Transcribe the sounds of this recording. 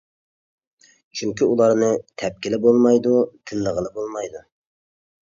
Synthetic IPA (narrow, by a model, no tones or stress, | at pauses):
t͡ʃʰyŋkʲʰiulˠɑɾnɨt̪ʰɛp̚kʲɪlɪbolˠmɑjd̪ut̪ʰɪnləʁəlˠɨbolˠmɑjd̪u